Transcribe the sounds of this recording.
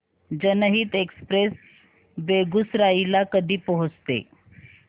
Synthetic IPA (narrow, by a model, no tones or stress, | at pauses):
d͡ʑənəɦiːt̪ekspɾes | beɡusɾailakəd̪ʱiːpəɦut͡st̪ḛ